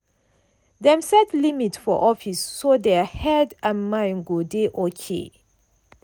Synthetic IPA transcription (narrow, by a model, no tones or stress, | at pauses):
dɛ̃msɛtlimitfɔ̰ʔɔfisːodɛhɛdãnmãɪ̃nɡodeʔokʰḛ